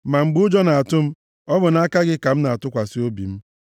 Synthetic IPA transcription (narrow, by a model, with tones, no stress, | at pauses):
ma˨ŋ͡m̩˨ɡ͡bʊ˦d͡ʒɔ˦na˨a˨tʊ˦m̩˦ | ɔ˦bʊ˨na˨˦a˦ka˦ɡɪ˦ka˨m̩˦na˨a˨tʊ˦kʷa˨si˦o˦bḭ˨m̩˦